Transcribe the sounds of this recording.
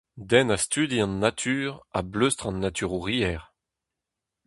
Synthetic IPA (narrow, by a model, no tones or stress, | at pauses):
d̪ɛnast̪yd̪iɑ̃nːat̪ʰyːʁa̰bløst̪χɑ̃nːat̪yʁuʁiɛʁ